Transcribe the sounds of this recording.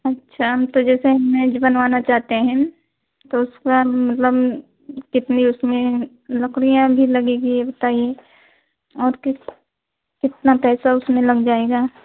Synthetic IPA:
ɐtːʃʰaɦmt̪od͡ʒɛːseɦɐmːẽd͡ʒbɐnʋaːnat͡ʃaːɦt̪eɦɛ̃ | t̪oʊskamɐt̪ləb | kɪt̪niʊsmẽ | lɐkɽijãbʱilɐɡeːɡiebɐt̪aːije | ɔːɾkɪ | kɪt̪napɛːsaʊsmẽlɐɡd͡ʒaːeːɡaː

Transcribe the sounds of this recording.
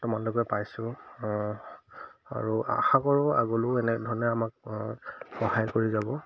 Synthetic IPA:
tʊmanlokɛpajsʊ̃ | a̰ɹua̰xakɔɹʊa̰ɡɔlʊɛnɛdʱɔnɛamak̚ | xɔhajkoɹizabɔ

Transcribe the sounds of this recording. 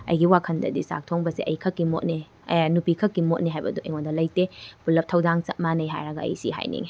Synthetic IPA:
ɐ̰jɡiwakʰɐndɐ̰disa̰k̚tʰoŋbɐsiʔɐ̰jkʰɐkːimot̚ni | nupikʰɐkːimot̚niɦajbɐduʔɐjŋondɐlɐjtepulɐp̚tʰɐwdaŋsɐt̚manɐjɦa̰jɾɐɡɐɐ̰jsḭɦa̰jnḭŋi

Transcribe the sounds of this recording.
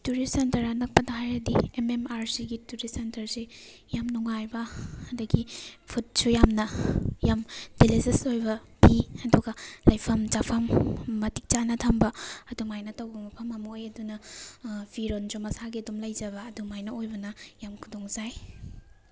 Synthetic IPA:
tuɾisentɐɾanɐk̚pɐdɐɦajɾɐdiememaɾsiɡituɾisentɐɾse | jamnuŋajbɐɐdɐɡipʰut̚sujamnɐjamdilizɐsojbɐ | b̥iɐduɡɐlɐjpʰɐmd͡ʒapʰɐmːɐtik̚t͡ʃanɐtʰɐmbɐɐdumajnɐtɐwbɐmɐpʰɐmɐmɐojɐdunɐ | b̥iɾond͡ʒomɐsaɡiɐdumlɐjd͡ʒɐbɐːdumajnɐojbɐnɐjamkʰudoŋzaj

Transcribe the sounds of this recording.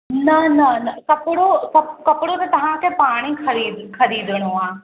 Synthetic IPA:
nɐnɐnɐkɐpɪɽosɐbkɐpɪɽot̪ɐt̪ɐʋ̤ãkʰeːpaːɽ̃ixʰɐɾiːd̪kʰɐɾiːd̪ʱɪɽ̃oaː

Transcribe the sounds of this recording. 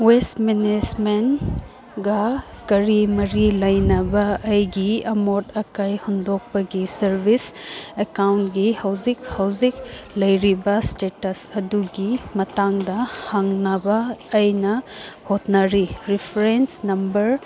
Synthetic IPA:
westminesmen | ɡɐ | kɐɾimɐɾilɐjnɐbɐʔɐjɡiɐmotɐkajhundok̚pɐɡisɐɾbʱisekawntɡihɐwzikhɐwziklɐjɾibɐstetɐsɐduɡimɐtaŋdɐhaŋnɐbɐːjnɐhotnɐɾiɾipʰɾensnɐmbɐɾ

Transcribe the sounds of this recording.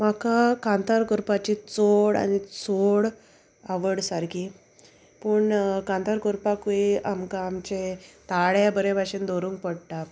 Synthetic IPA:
makakãnt̪aɾkuɾpat͡ɕit͡soɽa̰nit͡soɽ | aʋəɽsaɾkiː | puɳkãnt̪aɾkuɾpakuiamkaːmt͡ɕet̪aɭjabəɾebʱaɕind̪oɾũŋk̚pəɽʈa

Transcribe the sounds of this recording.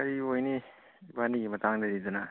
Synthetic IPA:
kɐɾiojni | baniɡimɐtaŋdɐɾizana

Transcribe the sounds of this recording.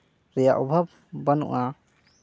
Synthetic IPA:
ɾɛjaʔɔbʱab̚ | banṵʔa

